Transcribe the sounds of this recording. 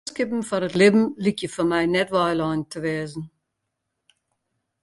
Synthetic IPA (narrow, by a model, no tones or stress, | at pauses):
skɪpm̩fɔɾətlɪbm̩likjəfɔmɛjnɛtʋajlɑːntʰəʋɛːzn̩